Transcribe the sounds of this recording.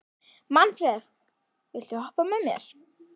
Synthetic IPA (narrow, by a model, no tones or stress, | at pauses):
manfɾɛsk | vɪlt̪ɪhɔhpamɛmjɛ̰ɾ̥